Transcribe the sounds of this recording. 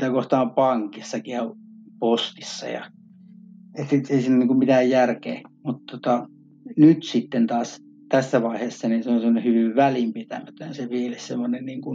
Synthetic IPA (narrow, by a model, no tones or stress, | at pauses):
t̪ækoht̪ɑːmpɑŋkisːɑkiɑ | post̪i̥sːɑ̰jɑ̰ | et̪ːieisinːoniːŋkummit̪æːjjærkḛːmut̪t̪ot̪ɑ | nyt̪sit̪ːent̪ɑːs | t̪æsːæʋɑiheːsːɑninseonsemːonehyʋiʋʋælimpit̪æ̰mæt̪ønseʋielessemːonenniːŋkun